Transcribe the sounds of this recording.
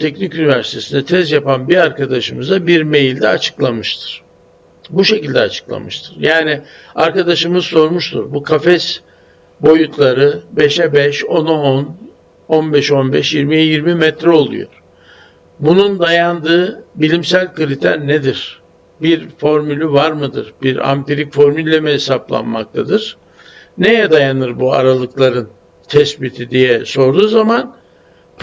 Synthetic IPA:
t̪ʰɛcnicynivæɾsi̥t̪ʰe̞sind̪ɛt̪ʰɛsjapanbiɾaɾkad̪aʃɯmɯzabiɾme̞jlʲd̪ɛat͡ʃʰɯ̥klˠamɯʃt̪ʰɯ̥ɾ̥ | buʃe̞cilʲd̪ɛa̰t͡ʃʰɯ̥klˠa̰mɯʃt̪ʰɯ̥ɾjaːnia̰ɾkad̪aʃɯmɯzso̞ɾmuʃt̪ʰṵɾbukʰafɛs | bo̞jut̪ʰlˠaɾɯbe̞ʃɛbɛʃo̞naon | onbɛʃo̞nbɛ̰ʃjiɾmijiɾmimɛt̪ɾɛo̞lˠṵjo̰ɾ̥ | bunund̪ajand̪ɯːbilʲimsælʲkɯɾit̪ʰæ̰ɾned̪iɾ̥ | biɾfo̞ɾmylʲyvaɾmɯd̪ɯ̰ɾbiɾa̰mt̪eɾicfo̞ɾmylʲːɛmɛɦesaplˠa̰nma̰k̚t̪ʰad̪ɯɾ̥ | nejɛd̪ajanɯɾbua̰ɾalˠɯklˠaɾɯn | t̪ʰɛsbit̪ʰid̪ijɛso̞ɾd̪uːzaman

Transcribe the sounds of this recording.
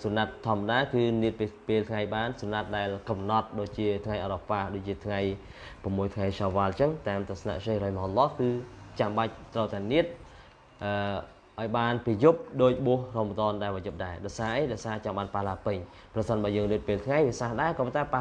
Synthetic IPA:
suənat̪ʰːŏəmːaɗaːkɨːniət̪̚pipeːlt̪ʰŋajɓaːnsuənat̪̚ɗaɛlkɑmnɑt̪̚ɗoːc̚t͡ɕiət̪ʰŋajʔɑɾɑpaːhɗoːc̚t͡ɕiət̪ʰŋaj | pəmːuəjt̪ʰŋajsɑːʋaːlt͡ɕəŋt̪aːmt̪ʊəsna̰ʔt͡ɕehrɔjmɦolːɑːhkɨːt͡ɕamɓac̚t̪rəwt̪aɛniət̪̚ | ʔəː | ʔaɔjɓaːnpiəjup̚ɗoːc̚ɓuəhroːmət̪oənɗaɛlʋɔːjup̚ɗaɛɗaɔjsaːʔəjɗaɔjsaːt͡ɕɑŋɓaːnpahlaːpɨɲ | prɑsənɓaːjəːŋniət̪̚peːlt̪ʰŋajʋiəsahɗaɛkɔːpɑnt̪aɛpa

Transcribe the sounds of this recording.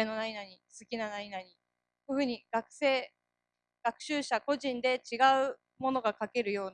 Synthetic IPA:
eno̞nainaɲ̟isɨkʲinanaɲinaɲ̟i | koɸɯ̟ɲ̟iɡ̥akɯ̟̥se̞ː | ɡ̥akɯ̟̥ɕɨːɕako̞ʑĩnd̪e̞t͡ɕiɡaɯ̟ | mo̞no̞ɡakake̞ɾɯ̟jo̞ːn

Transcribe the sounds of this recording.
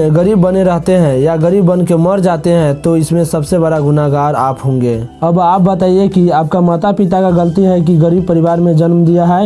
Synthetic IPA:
ɡəɾiːbːəneɾəɦt̪eɦɛ̃jaɡəɾiːbːənkeməɾd͡ʒaːt̪eɦɛ̃t̪oɪsmẽsəbsebəɽaɡʊnaɡaːɾaːpɦõːŋ̆ɡeːəbaːp̚bət̪aːiekiaːp̚kamaːt̪apɪt̪akaɡəlt̪iɦɛk̬iɡəɾiːb̚pəɾɪʋaːɾmẽd͡ʒənmd̪ijaɦɛː

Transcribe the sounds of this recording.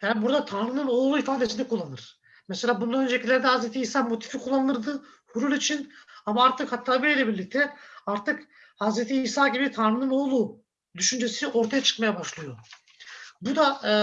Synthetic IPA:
jaːnibuɾd̪at̪ʰanɾɯnɯno̞ːlˠuifaːd̪esind̪ɛkʰulˠːanɯɾ̥ | mɛselʲaːbund̪anød͡ʒecʰilːʲæɾd̪ɛhazɾet̪ʰiːsaːmo̞t̪ʰi̥fikʰulˠːanɯɯɾd̪ɯ | huɾulˠit͡ʃʰinamaaɾt̪ʰɯkhat̪ʰːaːbieejlʲɛbiɾlʲic̚t̪ʰɛaɾt̪ʰɯk | hazɾet̪ʰiːsaːɟibit̪ʰanɾɯnɯno̞ːlˠu | d̪yʃynd͡ʒesio̞ɾt̪ʰajat͡ʃʰɯ̥kmajabaʃlˠɯjo̞ | bud̪a

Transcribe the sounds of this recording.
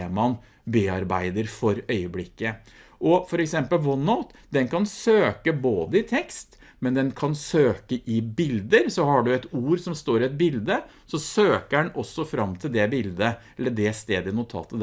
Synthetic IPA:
mɑn | beːɑɾbæɪd̪əɾfɔɾœʏəblɪkːə | ʔɔfɔɾɛksɛmpəlwɔnaʊt̪d̪ɛnkʰɑnsøːkəboːd̪əɪt̪ʰɛkst̪ | mɛnd̪ɛnkʰɑnsøːkəʔɪbɪld̪əɾsɔhɑɖʉɛt̪uːɾsɔmst̪oːɾɪɛt̪̚bɪld̪ə | sɔsøːkəɛnɔsːɔfɾɑmːt̪ʰɪld̪ɛbɪld̪ə | ɛlːəɖɛst̪eːd̪ənʊt̪ʰɑ̰ːt̪əd̪

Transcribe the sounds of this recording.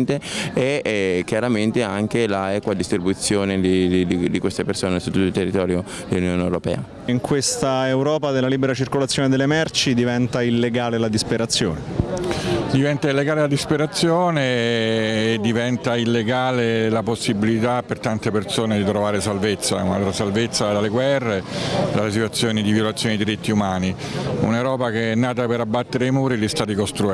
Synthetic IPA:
nt̪eeɛk̟jaɾament̪eaŋk̟elaɛkwad̪ːist̪ɾibut̪sːjoːned̪id̪id̪ikwest̪epersoːnesu̥t̪ːut̪ːoilt̪erːit̪ɔːɾjo | d̪elːunjoːneewɾopɛ̰ːa | iŋkwest̪aewɾɔːpad̪elːaliːbeɾat͡ʃirkolat̪sːjoːned̪elːemɛrt͡ʃid̪ivɛnt̪ailːeɡaːlelad̪ispeɾat̪sːjo̰ːne | d̪ivɛnt̪ailːeɡaːlelad̪ispeɾat̪sːjoːneː | d̪ːivɛnt̪ailːeɡaːlelaposːibilit̪apːert̪ant̪epersoːned̪it̪ɾovaːɾesalvet̪sːa̰ṵna̰lt̪ɾasalvet̪sːad̪aleɡwɛrːed̪ales̬it̪wat̪sːjoːnid̪ivjolat̪sːjoːniid̪iɾit̪ːiumaːniṵneɾɔːpakeɛnːaːt̪apeɾabːat̪ːeɾejmuːɾiʎist̪aːt̪ikost̪ɾu

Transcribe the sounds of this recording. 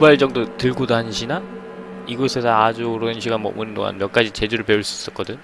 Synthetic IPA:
kubaɭt͡ɕ͈ʌŋdotɯɭɡodoɦanɕʰina | iɡosʰe̞sʰʌad͡ʑuɾonɕʰiɡanmwʌ̰munndo̰ŋa̰nmjʌk͈ad͡ʑit͡ɕe̞d͡ʑuɾɯɭpe̞uɭs͈uis͈ʌk͈ʌdɯɲ

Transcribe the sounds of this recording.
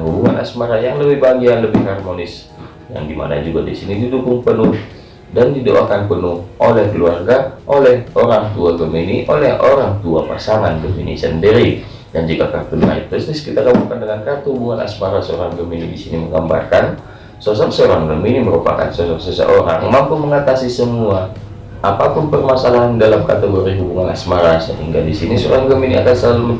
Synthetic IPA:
ɦubuŋana̰smaɾajaŋləbɪhbaɡiaŋləbɪhɦarmonɪs | ja̰ŋdima̰na̰d͡ʒuɡadisinididukʊŋpənʊh | dandidoʔakanpənʊhʔolɛhkəluarɡaʔolɛhoɾaŋt̪uaɡəminiʔolɛɦo̰ɾaŋt̪uapa̰saŋandomḭnḭsəndiɾi | dand͡ʒikakart̪una̰ɪt̚t̪ɾʊst̪iskit̪aɡaburkandalamkart̪uubuŋana̰smaɾasəoɾaŋɡəminidisiniməŋɡamba̰rkan | sos̬ɔŋsəoɾaŋɡəminiməɾupa̰ka̰nsosɔŋsəsə̰ʔoɾa̰ŋmampuməŋat̪asisəmua | ʔapapʊnpərmasalaɦandalamka̰t̪əɡoɾiɦubuŋana̰smaɾasəɦiŋɡadisinisəo̰ɾaŋɡəminia̰kansəlalumə

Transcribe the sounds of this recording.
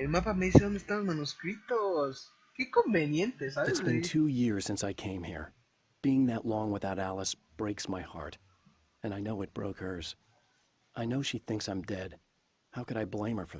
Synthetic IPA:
elmapameðiseðond̪est̪amozmãnuskɾit̪os | kekõmbenjẽnt̪esaβɪtsb̥ɨ̃ntʰujɪɹz̥sɪ̃nsaɪkʰẽɪ̃mhḭɹ | b̥iɪ̃ŋðɨʔlɔ̃ŋwəθaʊɾælˠəsb̥ɹeɪksmaɪhɑ̰ɹɾ | ɨ̃naɪnoʊɨt̚b̥ɹo̰ʊkhə˞z̥ | ʔaɪnoʊʃiθɪ̃ŋksãɪ̃mdɛd̥̚ | haʊkɨɾaɪblẽɪ̃mhə˞fə˞

